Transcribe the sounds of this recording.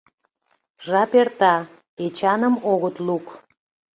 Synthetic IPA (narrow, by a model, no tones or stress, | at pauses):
ʒɑpert̪ɑ | et͡ɕɑnəmoɣət̪luk